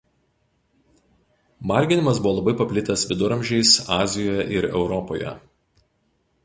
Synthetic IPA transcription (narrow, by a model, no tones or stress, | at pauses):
mɑˑɾʲɡʲɪnʲɪmɐsbʊʋɔːlˠɐbɐɪpɐpʲlʲɪt̪ɐsʋʲɪd̪ʊɾɐmʲʒʲɛɪsɑːzʲɪjoːjɛʔɪɾɛ̰ʊɾɔpoːjɛ̰